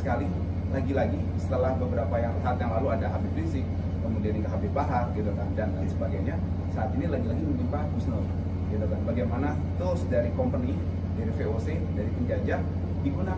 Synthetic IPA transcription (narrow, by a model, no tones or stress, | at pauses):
səkali | laɡilaɡi | sət̪əlahbəbəɾapajasaːt̪jaŋlaluadaɦabɪpɾinsɪk̚ | kəmudiandikaɦabɪbaɦar̚kat̪at̪andandansəbaɡajɲa | saːt̪inilaɡilaɡiməɲd͡ʒinpaɦat̪̚ɡusnəl | kat̪at̪anbaɡajmana | t̪ɾʊsdaɾikɔmpəni | daɾifeose | daɾipəɲd͡ʒad͡ʒaʔ | diɡuna